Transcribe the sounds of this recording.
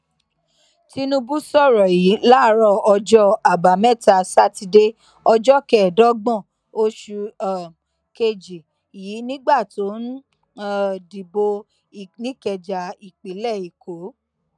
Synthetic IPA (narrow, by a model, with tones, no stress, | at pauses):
ti˧nũ˧bu˦sɔ˦˨ɾɔ˨ji˨˦la˦˧ɾɔ˦˨ɔ˧d͡ʒɔ˦a˨ba˨˦mɛ˦˨ta˧sa˦ti˧de˦ | ɔ˧d͡ʒɔ˦kɛ˦˨dɔ˦ɡ͡bɔ̃˦˨ | o˦ʃu˧˨ | ke˧d͡ʒi˨ | ji˨˦nĩ˦ɡ͡ba˦˨to˨˦n˦˨ | di˨bo˧˨ | nĩ˦kɛ˧d͡ʒa˨i˨k͡pe˨˦lɛ˦˨i˨ko˨˦